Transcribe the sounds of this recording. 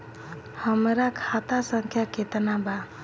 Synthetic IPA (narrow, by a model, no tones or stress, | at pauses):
həmɾakʰat̪asəŋkʰjaket̪ənaba